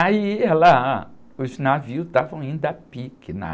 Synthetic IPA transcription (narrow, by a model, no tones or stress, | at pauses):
aiɛla | ʊznaviʊst̪avɐ̃w̃aĩd̪apikɪna̰